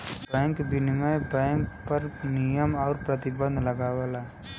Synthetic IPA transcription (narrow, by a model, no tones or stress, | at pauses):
bɛ̃ːŋkbɪnɪməjbɛ̃ːŋk̚pɐɾnijəmɔːɾpɾɐt̪ɪbə̃nd̪ʱlɐɡaːʋalaː